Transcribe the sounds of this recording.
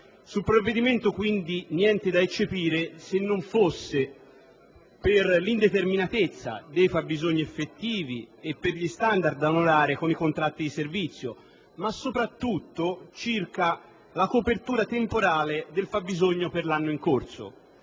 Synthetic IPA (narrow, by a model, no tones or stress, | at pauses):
sulpɾovːed̪iment̪okwind̪injɛnt̪ed̪aet͡ʃːepiːɾesenːoɱfosːe | perlind̪et̪erminat̪et̪sːa̰d̪ejfabːizoɲːiefːet̪ːiːviepːerʎist̪and̪ard̪̚d̪aonoɾaːɾekonikont̪ɾat̪ːid̪iservit̪sːjo̰ | masːopɾat̪ːut̪ːot͡ʃirka | lakopert̪uːɾat̪empoɾaːled̪elfabːizoɲːoperlanːoiŋkorso̰